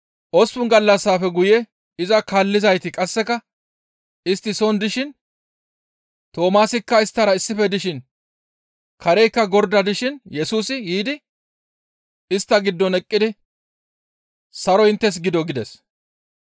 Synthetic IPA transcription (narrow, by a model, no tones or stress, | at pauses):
ʔɔspʊnɡɐlːɐsːaːfɛɡʊjɛ | ɪzɐkaːlːɪzɐjt̪ɪkʼɐsːɛkɐ | ɪst̪ːɪsɔnd̪ɪʃɪn | t̪o̞ːmaːsɪkːɐɪst̪ːɐɾɐɪsːɪfɛd̪ɪʃɪn | kʰɐɾɛjkːɐɡɔɾd̪ɐd̪ɪʃɪnjɛsuːsɪjiːd̪ɪ | ɪst̪ːɐɡɪd̪ːɔnɛkʼːɪd̪ɪ | sɐɾɔhɪnt̪ːɛs̬ɡɪd̪ɔɡɪd̪ɛs